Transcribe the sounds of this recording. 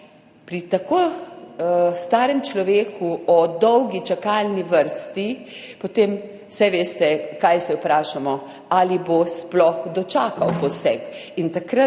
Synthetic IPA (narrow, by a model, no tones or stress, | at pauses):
pɾit̪akoː | st̪aːɾɛmt͡ʃlɔʋeːkʰuɔd̪ɔwɡit͡ʃakaːlniʋəɾst̪i | pɔt̪eːm | sɛʋeːst̪ɛkajsɛupɾaːʃamɔ | alibosplɔxd̪ɔt͡ʃaːkawpɔwsɛkint̪akɾa